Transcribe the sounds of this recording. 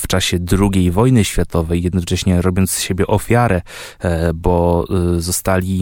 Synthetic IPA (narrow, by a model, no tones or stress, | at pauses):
ft͡ʂaɕɛd̪ɾuɡʲejvɔjnɘɕfʲjat̪ɔvɛjjɛd̪nɔt͡ʂɛɕɲɛɾɔbʲjɔnt̪sɕebʲjɛʔɔfʲjaɾɛ | bɔzɔst̪alʲi